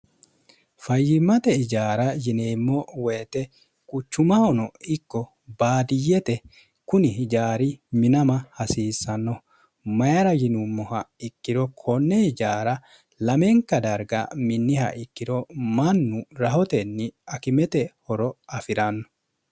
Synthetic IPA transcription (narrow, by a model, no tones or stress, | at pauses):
fɐjːɪmːɐt̪ɛɪd͡ʒaːɾɐjɪneːmːɔweːt̪ɛ | kʼʊt͡ʃːʊmɐhɔnɔɪkːɔ | baːd̪ɪjːɛt̪ɛ | kʊnɪhɪd͡ʒaːɾɪmɪnɐmɐhɐsiːsːɐnːɔ | mɐjɐɾɐjɪnʊmːɔhɐɪkːɪd̪ɔkʰɔnːɛɪd͡ʒaːɾɐ | lɐmɛŋkːɐd̪ɐɾɡɐ̰mɪnːɪhɐ̰ʔɪkːɪd̪ɔmɐnːʊɾɐɦɔt̪ɛnːɪɐkɪmɛt̪ɛhɔɾɔɐfɪɾɐnːɔ̥